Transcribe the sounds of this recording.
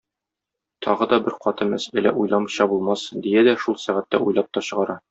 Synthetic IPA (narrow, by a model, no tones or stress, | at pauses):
t̪ʰɒʁɤd̪ɒbɘɾqɒt̪ɤmæsælæ̰ʔujlˠɑmɕɑbulˠmɑsd̪ijæd̪æʃulˠsæʁæt̪ːæ̰ujlˠɑp̚t̪ɒɕɤ̆ʁɑɾɑ